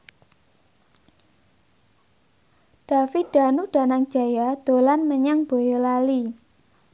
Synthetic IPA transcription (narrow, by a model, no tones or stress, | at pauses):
d̪̥a̤wiɖ̥a̤nuɖ̥ä̤naŋ̥d͡ʒ̥ä̤jad̪̥o̤lanməɲaŋb̥o̤jolali